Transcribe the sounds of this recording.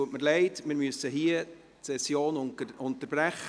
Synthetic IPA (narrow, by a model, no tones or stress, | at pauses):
uətməɾlɛɪtmɪːɾmyəsəɦiə | sɛsjoːnʊntəɾb̥ɾæχ